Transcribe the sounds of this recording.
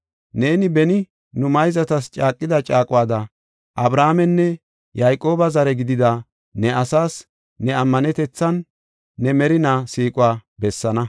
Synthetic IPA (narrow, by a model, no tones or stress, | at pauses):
neːnɪbɛnɪ | nʊmɐjzɐt̪ɐst͡ʃʼaːkʼːɪd̪ɐt͡ʃʼaːkʼʊwaːd̪ɐ | ʔɐbɾaːmɛnːɛ | jajkʼo̞ːbɐzɐɾɛɡɪd̪ɪd̪a | nɛɐsaːsː | ɛɐmːɐnɛt̪ɛt͡sːɐnː | ɛmɛɾɪnaːsiːkʼʊwaːbɛsːɐnɐ